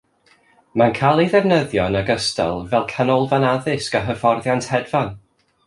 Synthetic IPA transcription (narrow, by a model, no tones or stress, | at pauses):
mankʰalˠiðɛvnəðjɔnəɡəstɛ̰lˠvɛlˠkʰanɔlˠvanaðɪskaɦəfɔrðjantʰhɛdvan